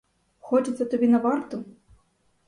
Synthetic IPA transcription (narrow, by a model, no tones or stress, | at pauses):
xɔt͡ʃɨt̪sːɐt̪ɐbʲinɐvart̪ʊ